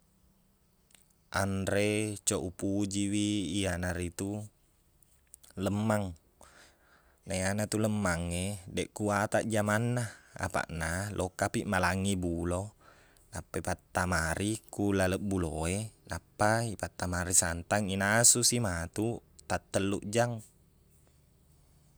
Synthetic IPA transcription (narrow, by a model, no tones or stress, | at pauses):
ʔa̰nɾet͡ʃoʔupud͡ʒiwiːanaɾit̪u | ləmːaŋ | naianat̪uləmːaŋːedɛʔkuat̪aʔd͡ʒamanːaa̰pa̰ʔnalʔokapiʔmalaŋibulo | napːaipat̪ːamaɾʔikulaləʔbuloenapːaipat̪ːamaɾisant̪aŋinasusimat̪ut̪at̪ːəlːuʔd͡ʒaŋ